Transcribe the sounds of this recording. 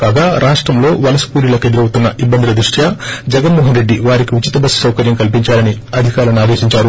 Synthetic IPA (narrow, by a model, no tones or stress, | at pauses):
kaːɡaːɾʔaːʂʈɾɐmlo̞ːʋɐlɐsɐ̥puːɾilɐked̪uɾɐwut̪unːɐʔibːɐnd̪ilɐd̪ɾuʂʈʰjad͡ʒɛɡɐnmɔːɦɐnɾe̞ɖːiʋaːɾikiut͡ʃit̪ɐbɐsu̥sɐwkɐɾjɐmkɐlp̬iɲt͡ʃaːlɐniɐd̪ʱikaːɾɐnaːd̪e̞ːʃiɲt͡ʃaːɾu